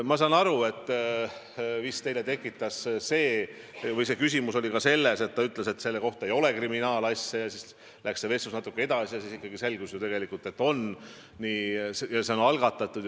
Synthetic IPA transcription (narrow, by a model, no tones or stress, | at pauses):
mɑsɑnɑɾue̞t̪ː | vist̪e̞jlet̪e̞kːˑit̪ːˑɑsse̞ː | vɤjse̞kysʲimuso̞lʲikɑse̞lːe̞se̞t̪̚ːt̪ːɑyt̪ːˑle̞se̞t̪se̞lːe̞ko̞ht̪ɑe̞jo̞le̞kriminɑːlɑsʲːjɑjɑsis | lʔæksseve̞susnɑt̪ːˑukːˑee̞d̪ɑsijɑsisikːɑɡise̞lɡusjut̪e̞ɡe̞likˑult̪ˑe̞t̪ːˑo̞n | niːsjɑseonɑlɡ̥ɑt̪ːˑɑt̪ˑːud̪j